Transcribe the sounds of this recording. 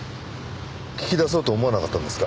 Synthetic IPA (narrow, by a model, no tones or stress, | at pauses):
kʲi̥kʲid̪asoːt̪oːmo̞anakat̪ːãnd̪esɨ̥ka